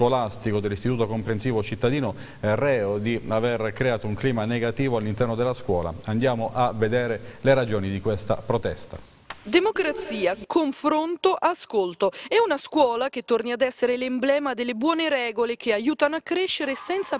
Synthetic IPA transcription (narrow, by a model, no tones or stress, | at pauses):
kolast̪ikod̪elːist̪it̪uːt̪okompɾensiːvot͡ʃit̪ːad̪iːno | ɛrɛːod̪iaverkɾeaːt̪ouŋkliːmaneɡat̪iːvoalːint̪ɛrnod̪elːaskwɔ̰ːla̰and̪jaːmoʔaved̪ɛːɾeleɾad͡ʒoːnid̪ikwest̪a̰pɾot̪ɛst̪a | d̪emokɾat̪siːakoɱfɾont̪oʔaskolt̪oɛunaskwɔːlaket̪ːorniad̪ɛsːeɾelemblɛːmad̪elːebwɔːneɾɛːɡolek̟eajuːt̪anoakːɾeʃːeɾesɛnt̪sa